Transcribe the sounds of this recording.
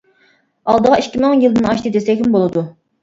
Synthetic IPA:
ɑlˠd̪əʁɑiʃkʲːimɪŋjilɨnɑʃt̪ɨd̪esɛkʲymbolˠɨd̪u

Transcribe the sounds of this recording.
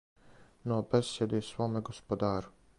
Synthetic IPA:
nobesjed̪esʋoːmeɡospod̪aːɾu

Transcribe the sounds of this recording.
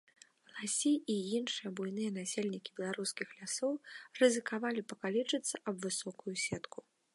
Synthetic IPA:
lˠasʲiʔijinʂɨjɐbujnɨjɐnasʲelʲnʲikʲibʲɛlˠaɾuskʲixlʲasɔwrɨzɨkavalʲipɐkalʲit͡ʂɨt̪sːɐʔɐbvɨsɔkujusʲɛt̪ku̥

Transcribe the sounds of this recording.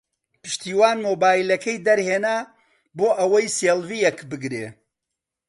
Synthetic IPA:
pɨ̥ʃt̪iːwaːnmoːbaːjilɐkʰɐjd̪ɐɾheːna | boːʔɐwɐjseːlvijɛkbɨɡɾḛː

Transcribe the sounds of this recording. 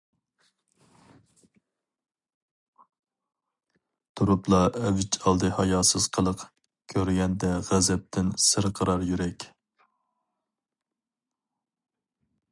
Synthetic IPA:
t̪ʰuɾuplˠɑɛvɪt͡ʃʰɑlˠd̪ɨhɑjɑːsɨz̥qʰəlˠəq | kʲʰøɾɡʲɛnd̪ɛʁæzɛp̚t̪ʰɪnsɨɾqʰəɾɑɾjyɾɛkʲ

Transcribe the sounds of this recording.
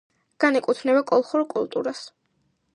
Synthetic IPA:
ɡ̥anɛkʼut̪ʰnɛbakʼɔlˠχuɾkʼult̪ʼuɾas

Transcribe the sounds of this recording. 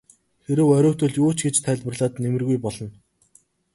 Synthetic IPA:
xeɾɘ̆wœɾʲʊːt̪ɵ̆ɮuːt͡ɕɡet͡ɕt̪ʰæɮʲpərɮaːt̪nemɘ̆rɣujpɔɮɞ̆n

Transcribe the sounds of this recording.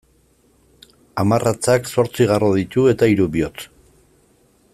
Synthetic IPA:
amarʔat͡sakso̞ɾt͡siɣaroðit̪ue̞t̪aiɾuβio̞t͡s

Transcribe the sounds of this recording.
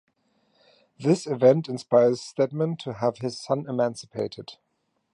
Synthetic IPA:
ðɪsɨvɛ̃ntɨ̃nspaɪə˞z̥stɛd̚mə̃ntʰəəv̥ɪz̥sʌ̃nɪmæ̃nsɨ̥pʰeɪɾɨd̥

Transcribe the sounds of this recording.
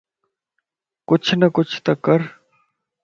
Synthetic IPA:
kʊt͡ʃʰnəkʊt͡ʃʰt̪ɐkːəɾ

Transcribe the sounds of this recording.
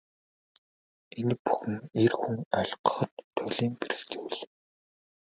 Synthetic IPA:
enɘ̆k̚pu̥xɘ̆ŋerxuŋœɮqə̥̆χɞ̆t̪ʰːʊɮiːmperɘ̆xt͡ɕewɘ̆ɮ

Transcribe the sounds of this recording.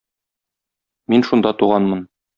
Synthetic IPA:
minʃund̪ɑt̪uʁɑnmɤn

